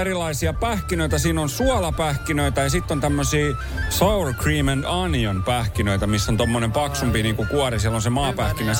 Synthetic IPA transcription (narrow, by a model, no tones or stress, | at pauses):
erilɑisiɑpæhkinøit̪ɑsiːnonsuɑlɑpæhkinøit̪ɑjɑsit̪ːont̪æmːøsiː | sɑurkriːmenɑnionpæhkinøit̪æmisːont̪omːonempɑksumpiniːŋkukuɑrisielonsemɑːpæhkinen